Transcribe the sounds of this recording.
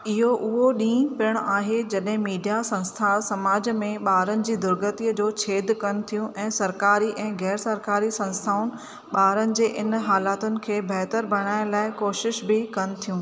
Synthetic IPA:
ɪɦoʔʊɦoɗĩːpɪɽ̃aːɦed͡ʑɐɗɦɪ̃miːɖijasɐ̃nst̪ʰasɐmaːd͡ʑmẽɓaːɾənɪ̆d͡ʑiːd̪ʊɾɡət̪iːəd͡ʑoːt͡ɕʰeːd̪ʱkɐnɪ̆t̪ʰijũʔɛ̃ːsɐɾkaːɾiʔɛ̃ːɣɛːɾsɐɾkaːɾisɐ̃nst̪ʰaːʊnɪ̆ | ɓaːɾənɪ̆d͡ʑeːʔɪnɦaːlaːt̪ʊnɪ̆kʰeːbʱɛɦt̪əɾbʱɐɽ̃aːɪ̃nlaːɪkoːʃɪʃbʱɪkɐnɪ̆t̪ʰijũː

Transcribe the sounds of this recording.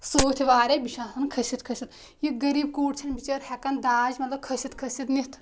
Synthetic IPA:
soːt̪ʰiʋaːɾʲebiʃaːsɐnkʰɐsit̪kʰɐsʲit̪ | jiɡɐɾiːb̚kuːʈt͡ʃʰɐnbit͡ʃɐɾhɛkɐnd̪aːd͡ʒmɐt̪lɐb̚kʰɐsit̪kʰɐsit̪nit̪ʰ

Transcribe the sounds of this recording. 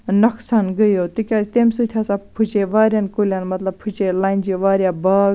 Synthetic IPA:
nɐksanɡəjot̪ɨkʲaːst̪eːmsut̪ʰjaːsapʰut͡ʃeʋaːɾjankulʲanmɐt̪lɐb̚pʰut͡ʃelaːind͡ʒiʋaːɾjabaːɡ

